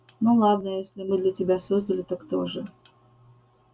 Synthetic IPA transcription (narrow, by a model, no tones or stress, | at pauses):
nulˠad̪nəjesʲlʲɪmɨd̪lʲətʲɪbʲasozd̪əlʲɪt̪akt̪oʐɨ